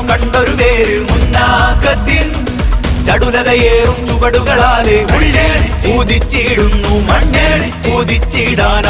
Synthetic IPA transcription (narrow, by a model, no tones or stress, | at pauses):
kɐɳɖoɾupeːɾ | munːaːkɐd̪il | t͡ɕɐɽulɐðɐjeːrumt͡ɕubɐɽuɣɐɭaːleuɭːeːpuːðit͡ɕːiɽunːumɐɳɖeː | puːðit͡ɕːiɽaːn